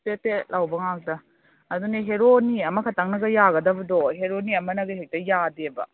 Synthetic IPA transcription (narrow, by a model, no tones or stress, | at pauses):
tetelʔawbɐŋak̚dɐː | duneɦeɾoniɐmɐkʰɐtaŋnɐɡɐjaɡɐdɐbɐdɔɦeɾoniɐmɐnɐɡɐɦek̚tɐjadebɐ̰